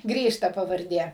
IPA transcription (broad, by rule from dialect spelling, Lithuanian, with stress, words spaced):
ˈɡrʲiːʃ tɐ pɐʋɐrʲˈdʲeː